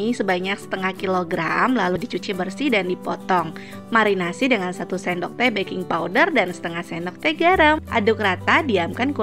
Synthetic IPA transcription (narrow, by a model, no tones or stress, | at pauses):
isəbaɲak̚sə̥t̪əŋahkiloɡɾamlaludit͡ʃut͡ʃibərsidandipɔt̪ɔŋ | maɾinasidəŋansat̪usɛndɔk̚t̪ɛbekɪŋpaudərdansə̥t̪əŋahsɛndɔk̚t̪ɛɡaɾəmʔa̰dʊkrat̪adiamkanku